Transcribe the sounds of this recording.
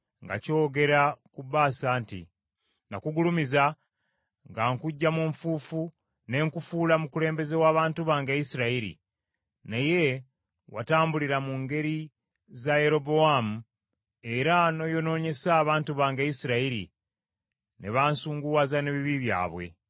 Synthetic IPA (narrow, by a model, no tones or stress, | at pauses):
ŋɡa̰co̞ːɡe̞ɾakuβaːsaːntḭ | nakuɡulumiza | ŋɡaŋkuɟːamuɱfuːfu | ne̞ŋkufuːlamukule̞ːmbe̞ze̞waːβaːntuβaːŋɡaisiɾaiɾḭ | naje̞ | wʔa̰taːmbuliɾamuŋɡe̞ɾi | zaje̞ɾo̞bo̞amu | e̞ɾano̞jo̞no̞ːɲe̞saːβaːntuβaːŋɡaisiɾaiɾḭ | ne̞̰βaːnsuːŋɡuwaːzane̞βiβiβja̰ːβwe̞̰